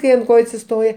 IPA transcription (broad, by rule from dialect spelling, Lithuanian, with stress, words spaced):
kɐɪ ɐnt ˈkoːjʊ ɐtʲsʲɪˈstoːjɛ